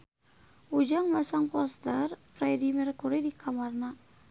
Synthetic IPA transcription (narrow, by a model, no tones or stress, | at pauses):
ud͡ʒaŋmasaŋkɔst̪ərfɾɛdimɛrkuɾidikʰamarna